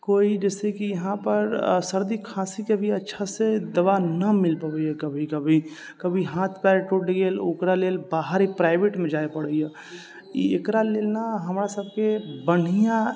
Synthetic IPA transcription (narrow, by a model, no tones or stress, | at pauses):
koːid͡ʒɛːsekijəɦãpəɾsəɾd̪ikʰãsikebʱiətːʃʰased̪əbanəmɪlpəbɛɛkəbʱikəbʱi | kəbʱiɦãːt̪ʰpɛɾeʈuɖɡelokɾaleːlbaːɦəɾipɾaɪbeʈmẽd͡ʒaepəɽəja | ḭekɾaleːlnaɦəmɾasəb̚ʱkebəɽ̤ijã